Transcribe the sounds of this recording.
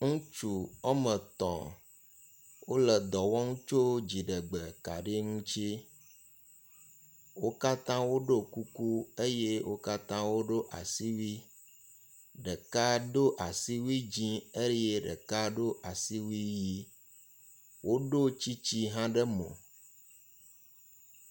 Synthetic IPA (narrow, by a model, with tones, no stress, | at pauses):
ŋũ˦t͡ʃu˨ɔ˦mə˨t̪ɔ̰̃˨ | wo˦lɛ˨d̪ɔ˨wɔ˦ŋũ˦t͡ʃo˦d͡ʑi˨ɖə˨ɡ͡bɛ˨ka̰˨ɖi˦ŋũ˦t͡ʃi˦ | wo˦ka˦t̪ã˦wo˦ɖo˦ku˦ku˦e˦je˦wo˦ka˦t̪ã˦wo˦ɖo˦ʔa̰˨si˦wi˦ | ɖɛ˨ka˦ɖo˦ʔa˨si˦wi˦d͡ʑĩ˦e˦je˦ɖə̰˨ka˦ɖo˦ʔa˨si˦wi˦ji˦ | wʔo˦ɖo˦t͡ɕi˦t͡ɕi˦ɦã˦ɖə˦mõ̰˨